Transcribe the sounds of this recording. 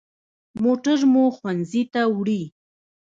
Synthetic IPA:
moʈaɾmoxwanzit̪awɽi

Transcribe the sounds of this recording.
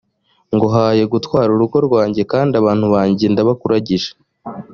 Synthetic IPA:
ŋɡo̞ɦaːje̞ɡutwaːɾuɾuɡo̞ɾɡwaːɲɟe̞kaːndaβaːn̥huβaːɲɟe̞ndaβakuɾaɟiʒḁ

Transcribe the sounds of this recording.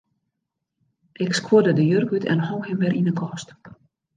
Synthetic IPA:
ʔɪkskwuədədəjørkytʰɛ̰nhɔwhɪmʋɪrʔinəkʰɔst

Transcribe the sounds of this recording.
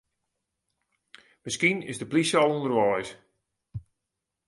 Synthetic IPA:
mɪskinɪ̰zdəplisɔlˠundərʋɔjs

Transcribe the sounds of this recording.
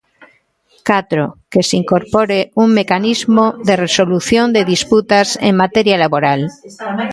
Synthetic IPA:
kat̪ɾokesiŋkoɾpoɾeuŋmekanizmoðeresoluθjond̪eðisput̪asḛŋmat̪eɾjalaβoɾal

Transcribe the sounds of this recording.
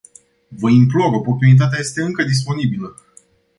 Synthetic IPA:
vəimploɾəpɾort̪unit̪at̪eaje̞st̪e̞ɨŋkəd̪is̬po̞nibilə

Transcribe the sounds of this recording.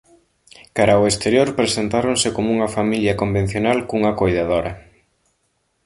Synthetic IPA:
kaɾaoest̪eɾjoɾpɾesent̪aɾonsekomouŋɐfamiljɐkombẽn̟θjonalkuŋɐkojðaðoɾɐ

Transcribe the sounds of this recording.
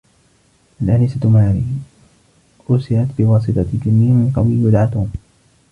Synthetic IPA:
ʔalʔanɪsat̪maːɾḭː | ʔʊːsɪʕat̪bɪwɑːsˤɨt̪ˤɑd͡ʒɪnːɪhmɪnqɑwiwʊd̪ʕat̪um

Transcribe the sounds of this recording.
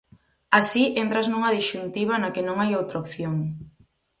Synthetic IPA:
asiʔent̪ɾaznuŋɐðiʃunt̪iβ̞ɐnɐkenõŋajowt̪ɾaopθjoŋ

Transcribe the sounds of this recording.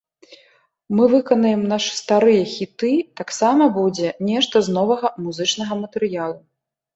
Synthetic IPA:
mɨvɨkɐnɐjɛmnaʂɨ̥st̪aɾɨjɛxʲit̪ɨt̪aksamɐbud͡zʲɛnʲɛʂt̪ɐznɔvɐɣɐmuzɨt͡ʂnɐɣɐmɐt̪ɛɾɨjalˠu

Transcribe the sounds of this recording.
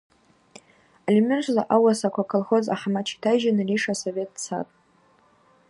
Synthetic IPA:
alʲimɨnt͡ʃʷʰzaʔawasakʷʰakʰəlχoza̰ħmat͡ʃʰi̥tʰajʒanɨriʂasovʲe̞t̚ʼt͡sʰa̰tʼ

